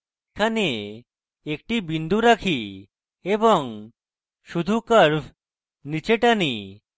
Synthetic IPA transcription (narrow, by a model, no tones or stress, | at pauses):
kʰane | ek̚ʈibind̪ʱuɾakʰi | ebɔŋ | ʃud̪ʱukəɾbʰʱ | nit͡ʃeʈani